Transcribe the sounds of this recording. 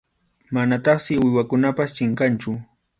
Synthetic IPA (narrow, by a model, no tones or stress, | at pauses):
manat̪ɑχsɪwɪwakʊnapast͡ʃɪɴkant͡ʃʊ